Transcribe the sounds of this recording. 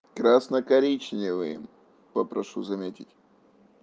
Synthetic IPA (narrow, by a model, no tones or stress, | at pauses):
kɾasnəkɐɾʲit͡ɕnʲɪvɨjɪ̰m | pəpɾɐʂuzɐmʲetʲɪtʲ